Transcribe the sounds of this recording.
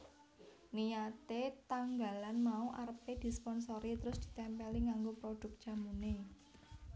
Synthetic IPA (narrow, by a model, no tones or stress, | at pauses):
nijat̪et̪aŋɡa̤lanmauʔarped̪̥i̤spɔnsoɾit̪əɾʊsd̪̥i̤̥t̪ɛmpɛliŋaŋɡopɾoɖ̥ʊ̤k̚d̥ʒ̥a̤mune